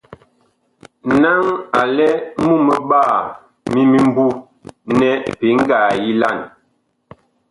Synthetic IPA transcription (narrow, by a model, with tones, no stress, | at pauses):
na˦ŋa˨lɛ˦mu˦mə˦˨ɓa˦˨ | mi˦mi˦m˦bu˦ | nɛ˦pe˨˦ŋ̩˦ɡaː˨ji˦la̰˦˨n